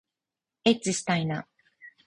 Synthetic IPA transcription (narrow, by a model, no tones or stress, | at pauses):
et͡sɨsi̥t̪aina